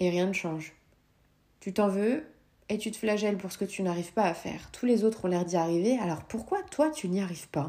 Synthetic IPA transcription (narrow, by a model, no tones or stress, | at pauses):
eʁjɛ̃nəʃɑ̃ʒ | t̪yt̪ɑ̃vø | et̪yt̪ə̥flaʒɛlpuʁsə̥kət̪ynaʁiv̥paːfɛ̰ːʁt̪ʰulezot̪χɔ̃lɛʁd̪iaʁivealɔʁpuʁkwat̪wat̪yniaʁivpa